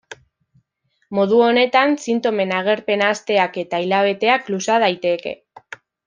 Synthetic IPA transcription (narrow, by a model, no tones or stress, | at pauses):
mo̞ðuo̞ne̞t̪ansint̪o̞me̞naɣ̞e̞ɾpe̞nast̪e̞ake̞t̪ailaβ̞e̞t̪e̞aklusaðajt̪e̞ke̞̰